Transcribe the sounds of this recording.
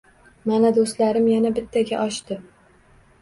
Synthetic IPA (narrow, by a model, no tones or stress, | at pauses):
manad̪ost̪laɾɪmjanabɪt̪ʰːaɡʲaʔɒʃt̪ɪ